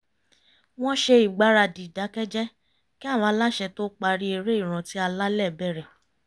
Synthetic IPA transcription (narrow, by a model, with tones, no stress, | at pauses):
w̃ɔ̃˦ʃe˧i˨ɡ͡ba˨˦ɾa˧˨di˨da˨˦kɛ˦d͡ʒɛ˦ | ki˦a˦˨w̃ɔ̃˨˧˦la˦ʃɛ˧to˦k͡pa˧ɾi˦e˧ɾe˦i˦˨ɾ̃ã˨ti˨˦a˧la˦lɛ˦˨bɛ˦˨ɾɛ˨